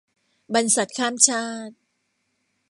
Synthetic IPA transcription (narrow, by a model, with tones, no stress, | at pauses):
ba˧nsa˨˩t̪̚kʰaː˥˩mt͡ɕʰaː˥˩t̪̚